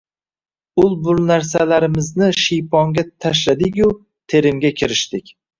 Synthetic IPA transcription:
ʊlˠbʊlˠnaɾsalaɾɪmɪznɪʃijpʰɒŋɡʲat̪ʰaʃ̬lad̪ɪɡʲʊ | t̪ʰe̞ɾɪmɡʲakʲʰɪɾɪʃt̪ɪkʲ

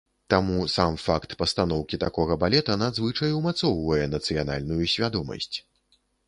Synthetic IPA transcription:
t̪amusamfakt̪pɐst̪an̪ɔwkʲit̪akɔɣɐbalʲɛt̪ɐnad̪zvɨt͡ʂɐjumat̪sɔwvɐjɛnɐt̪sɨjana̰lʲnujusʲvʲad̪ɔmɐ̰sʲt͡sʲ

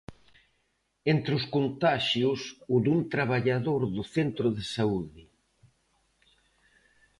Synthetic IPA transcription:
ent̪ɾɪʊskont̪aʃjʊsʊðunt̪ɾaβaʎaðoɾðʊθent̪ɾʊðɪsauðɪ

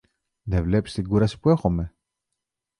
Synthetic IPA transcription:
ðevle̞pi̥st̪iɡuɾɐsi̥puexome̞

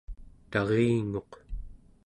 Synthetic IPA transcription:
t̪ɑʁeːŋo̞q

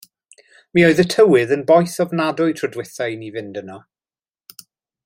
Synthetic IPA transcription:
mioɨðətʰəwɪðənbɔjθɔvnadʊɨtʰrɔdwɪθajnivɪndənɔ

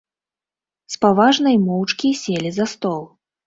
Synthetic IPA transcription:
spavaʐnɐjmɔwt͡ʂkʲisʲelʲizast̪ɔlˠ

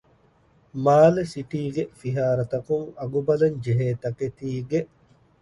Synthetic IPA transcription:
maːlesiʈiːɡefiɦaːɾɐt̪ɐkuŋɐɡubɐlɐɲd͡ʒeɦeːt̪ɐket̪iːɡeʔ

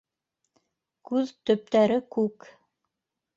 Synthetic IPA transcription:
kʉðt̪ɵ̆p̚t̪æɾɘkʉk

